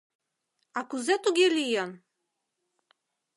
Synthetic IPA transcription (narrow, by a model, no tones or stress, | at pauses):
akuzɛt̪uɡʲilʲijɔn